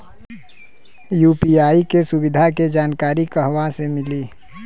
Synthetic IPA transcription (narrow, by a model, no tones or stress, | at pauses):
juːpiaːikesʊbɪd̪ʱaked͡ʒaːnkaːɾikəɦwasemɪliː